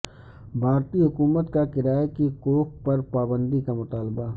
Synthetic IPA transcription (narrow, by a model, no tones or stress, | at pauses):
bʱaːɾt̪iɦʊkuːmət̪kakɪɾaːjkikoːk̚pɐɾpaːbə̃nd̪ikamʊt̪aːlba